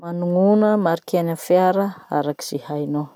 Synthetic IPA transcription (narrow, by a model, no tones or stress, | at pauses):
manuŋunəmaɾikenafjaɾəa̰ɾaki̥z̥ihajino